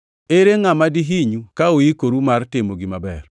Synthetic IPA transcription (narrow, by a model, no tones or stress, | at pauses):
eɾeŋamadiɦiɲukaoikoɾumartɪmoɡimabɛ̰r